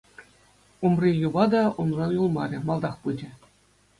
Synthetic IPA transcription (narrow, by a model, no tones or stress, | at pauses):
umrʲijuʋɑd̪ɑunrɑnjulˠmɑɾʲɘ̆mɑlˠd̪ɑχpɯd͡ʑʲɘ̆